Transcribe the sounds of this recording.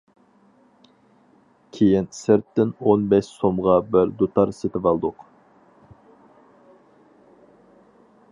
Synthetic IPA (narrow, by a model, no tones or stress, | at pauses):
kʲʰejinsɪɾt̪ːɪnonbɛʃsomʁɑbɪɾd̪ot̪ʰɑɾset̪ʰɪvɑlˠd̪ʊq